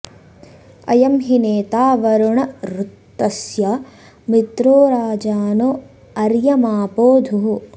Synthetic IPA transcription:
ɐ̰jɐmɦineːt̪aːʋɐɾuɳɐɾut̪ːɐsjɐ | mit̪ɾoːɾaːd͡ʒaːnoː | ɐɾjɐmaːpoːd̪ʱuɦu

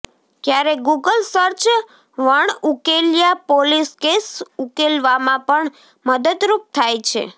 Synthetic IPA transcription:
kjaɾeɡuɡəlsəɾt͡ʃ | ʋəɳukeljapoliskesukelʋamãpəɳ | məd̪ət̪ɾup̚t̪ʰajt͡ʃʰḛ

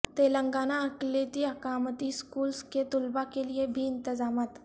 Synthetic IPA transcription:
t̪eːlə̃ŋɡaːnaɐkleːt̪iɐkaːmət̪iskuːlsket̪ʊlbakeliebʱiɪ̃nt̪ɪzaːmaːt̪

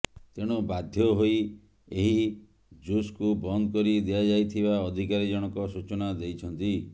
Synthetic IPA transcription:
t̪eɽ̃ubad̪ʱjɔɦoi | eɦi | d͡ʒuskubɔnd̪ɔkɔɾid̪iad͡ʒajt̪ʰibaɔd̪ʱikaɾid͡ʒɔɽ̃ɔkɔsut͡ʃɔnad̪ejt͡ʃʰɔnt̪i

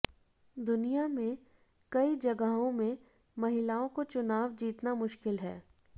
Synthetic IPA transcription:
d̪ʊnijamẽ | kɐid͡ʒɐɡəɦõmẽ | mɐɦɪlaːõkot͡ʃʊnaːʋd͡ʒiːt̪namʊʃkɪlɦɛː

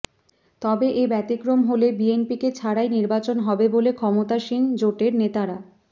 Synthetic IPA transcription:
t̪ɔbeʔebɛt̪ikɾomɦolebienpiket͡ɕʰaɽajniɾbat͡ɕonɦɔbebolekʰɔmot̪aʃind͡ʑoʈeɾnet̪aɾa

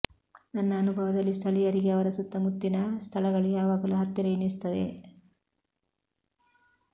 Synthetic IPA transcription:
nɐnːɐːnubʱɐʋɐd̪ɐlːist̪ʰɐɭijɐɾiɡeɐʋɐɾɐsut̪ːɐmut̪ːinɐst̪ʰɐɭɐɣɐɭijaːʋaːɡɐluɦɐt̪ːiɾɐinis̬t̪ɐd̪ḛ

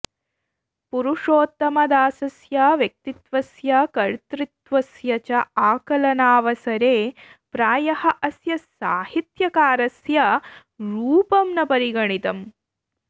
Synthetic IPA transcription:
puɾuʂoːt̪ːɐmɐd̪aːsɐsjaʋjɐk̚t̪it̪ʋɐsjɐkɐɻt̪ɾit̪ʋɐsjɐt͡ʃɐaːkɐlɐnaːʋɐsɐɾeː | pɾaːjɐhɐʔɐsjɐsaːhit̪jɐkaːɾɐsjɐ | ɾuːpɐmnɐpɐɾiɡɐɳit̪ɐm

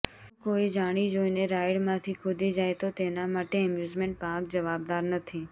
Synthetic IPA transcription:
koid͡ʒaɽ̃id͡ʒoineɾajɽmãt̪ʰikʰʊd̪id͡ʒajt̪ot̪enamaʈeɛmjuzmẽɳʈ̚pãk̚d͡ʒəʋab̚d̪aɾnət̪ʰi

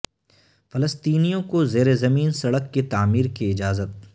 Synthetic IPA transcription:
fɐləst̪iːnijõkozeːɾezɐmiːnsɐɽəkːet̪aːmiːɾkiɪd͡ʒaːzət̪̚

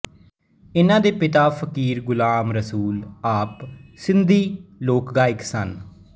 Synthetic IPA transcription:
ɪnãːd̪eːpɪt̪aːfʰəkiːɾɡʊlaːmɾəsuːlaːpsɪnd̪iːloːkɡaːɪksən

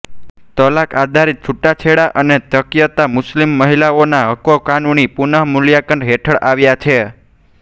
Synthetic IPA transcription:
t̪əlakad̪ʱaɾit̪̚t͡ʃʰuʈːat͡ʃʰeɽaʔənet̪əkjət̪amʊslimːəɦilaonaɦəkokanunipunəɦmuljakəɳɖɦeʈʰəɭʔaʋjat͡ʃʰe

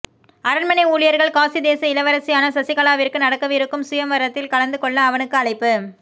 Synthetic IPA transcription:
ɐɾɐɳmɐnɐɪuːɭɪjɐɾɣɐɭkaːsid̪eːsɐɪlɐʋɐɾɐsɪjaːnɐsɐsɪkɐɭaːʋɪrkɯnɐɽɐkːɐʋɪɾɯkːɯmsʊjɐmʋɐɾɐt̪ːɪlkɐɭɐnd̪ɯkɔɭːɐːʋɐnɯkːɯɐɭɐɪpːɯ

